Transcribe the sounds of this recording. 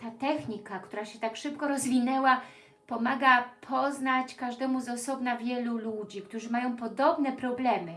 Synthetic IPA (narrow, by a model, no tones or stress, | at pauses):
t̪at̪ɛxɲikakt̪uɾaɕɛt̪akʂɘpkɔɾɔzvʲinɛwa | pɔmaɡapʰɔznat͡ɕkaʐd̪ɛmuzɔsɔbnavʲjɛlulud͡ʑikt̪uʐɘmajɔ̃w̃pɔd̪ɔbnɛpɾɔblɛmɘ